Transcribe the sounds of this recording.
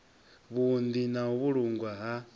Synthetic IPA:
βund̪inaɦuβuɺuŋɡwaɦa

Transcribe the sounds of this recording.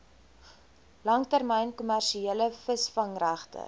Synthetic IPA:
lɐŋtærməjnkumærʃieːləfəsfɐŋræχtə̰

